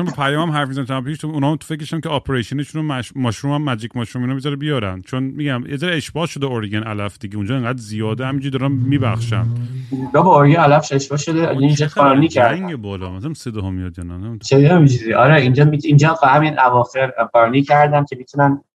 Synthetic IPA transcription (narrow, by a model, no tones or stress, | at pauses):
onbepʰæjɒːmæmɦæɾfmizænt̪æpiʃt̪ʰounɒːmt̪o̥fecɾeʃæmkcʰeɒpʰeɾeʃoneʃunomæʃmɒʃɾumæmːæd͡ʒicmɒʃɾuminobizɒɾebijɒɾæ̰nd̪̥t͡ʃʰonmiɟæmjezɒɾeeʃbɒːʃod̪eoɾɡænælæfd̪iɟeund͡ʒɒːeŋɡæːd̪zijɒːd̪ehæmind͡ʒiid̪ɒːɾænːiːbæ̰xʃæ̰nbɒbɔoɾɡænælæfʃeʃbɒːʃod̪eind͡ʒɔɡɔɾnikʰæɾŋɡebɒːlɒ̰mzmsed̪ɒɦomijɒd̪jɒnæzsed̪mid͡ʒuziʔɒɾɛind͡ʒɒmiind͡ʒɒfhæminʔævɒːxeɾɡæɾnicʰæɾd̪æmcʰemit̪ʰunæn